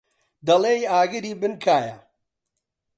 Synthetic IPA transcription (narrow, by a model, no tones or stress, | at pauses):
d̪ɐleːjaːɡɨɾiːbɨnkʰaːjɐ̰